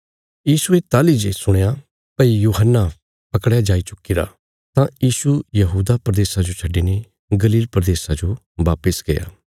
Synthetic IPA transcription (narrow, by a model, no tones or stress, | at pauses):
jiːsuet̪aːlid͡ʒesʊɽ̃eja | pɐijuːɦənːa | pɐkɽjad͡ʒaːit͡ʃʊkːiɾa̰ | t̪ãjiːsujɐɦuːd̪apɾəd̪eːsad͡ʒot͡ʃʰɐɖːine | ɡɐliːlpɾəd̪eːsad͡ʒo | ʋaːpəsɡeja̰ː